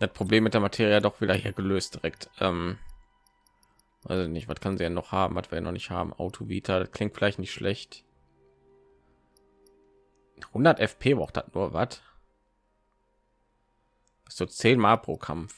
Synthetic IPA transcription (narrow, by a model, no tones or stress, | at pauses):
d̥at̚pʁ̥obleːmːɪt̚d̥ːɐmatʰeːʁjəadɔχv̥iːdɐhiːɐɡəløːstd̥iʁɛktʔɛːm | va̰ɪsɪçnɪçtv̥atkʰanzidɛnɔχhaːbm̩vatv̥iːɐjanɔ̰χnɪçtha̰ːbm̩ʔa̰ʊtʰovḭːtʰadatkl̥ɪŋtfɪlaɪçtnɪçtʃlʔɛçt | hʊndɐtʔɛfpʰeːbʁaʊtd̥atnuːɐvat | ʔɪsz̥oːt͡seːnmaːlpʁ̥o̰ːkʰa̰mf